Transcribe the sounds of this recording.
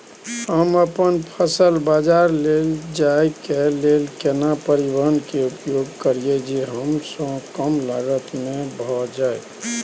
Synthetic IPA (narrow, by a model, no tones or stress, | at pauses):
həməpənpʰəsəlbad͡ʒaɾleld͡ʒaekelelkenapəɾibəɦənkeupjoɡ̚kəɾied͡ʒeɦəmsə̃kəmlaɡət̪mebʱɔd͡ʒae